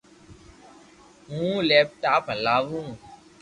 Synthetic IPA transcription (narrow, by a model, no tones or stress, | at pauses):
ɦũlɛp̚ʈaplaʋũ